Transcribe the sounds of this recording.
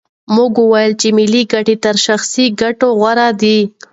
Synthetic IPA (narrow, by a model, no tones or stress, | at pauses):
muɡuwajəlt͡ʃemɪliɡaʈet̪əɾʃaxsiɡaʈoɣwaɾad̪i